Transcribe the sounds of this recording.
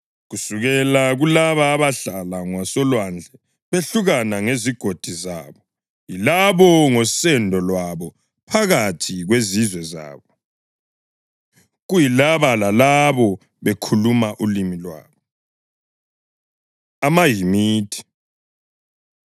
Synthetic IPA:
ɣusuɣɛlaɣulaβaːβaɬalaŋwasɔlwand͡ɮʱɛ | βeɬuɣanaŋeziɡ̥ʱod̥ʱizaːβɔ | jilaβɔŋɔsɛndʱɔlwaβɔ | pʰaɣatʰiɣwezizwɛza̰ːβɔ | ɣujilaβalalaβɔ | βekʰulumaʔulimilwa̰ːβɔ | amaɦimiːtʰi̥

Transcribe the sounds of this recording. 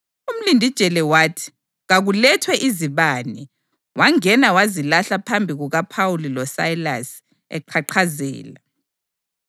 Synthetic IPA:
um̩lindʱid̥ʒ̥ʱɛlɛwaːtʰi̥ | ɣaɣulɛtʰwɛʔiziβaːnɛ | wʔaŋɛnawazilaɬapʰambʱiɣuɣapʰawulilɔsajla̰s | ɛ̰ǃʰaǃʰazɛ̰ːla

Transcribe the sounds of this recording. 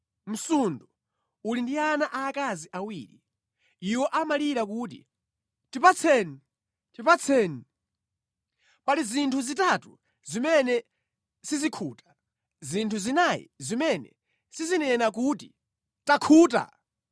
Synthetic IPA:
m̩sundu | ulindianaʔaːkaziʔawiːɾḭ | iwɔʔamaliɾakuːt̬ḭ | tipat͡sʰɛni | tipat͡sʰɛːni | palizintʰuzitatṵ | zimɛnɛ | sizikʰuːtḁ | zintʰuzinajḭzimɛnɛ̰ | sizinɛnak̬uːti | takʰuːt̬a̰

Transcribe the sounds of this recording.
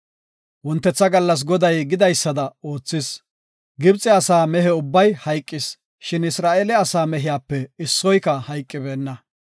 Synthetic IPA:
wɔnt̪ːɛt͡sːɐɡɐlːɐs̬ɡɔd̪ɐjɡɪd̪ɐjsːɐd̪ɐo̞ːt͡sːɪs | ɡɪbt͡sʼɛɐsaːmɛɦɛʊbːɐjhɐjkʼːɪs | ʃɪnɪsɾaːʔeːlɛɐsaːmɛɦɪjaːpːɛɪsːɔjkɐhɐjkʼːɪbe̞ːnːɐ

